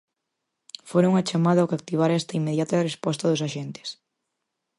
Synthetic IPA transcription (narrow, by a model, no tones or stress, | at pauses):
foɾoŋat͡ʃamaðɐokak̚t̪iβ̞aɾɛst̪ɐimːeðjat̪ɐrespɔst̪ɐðʊsaʃent̪ɪ̥s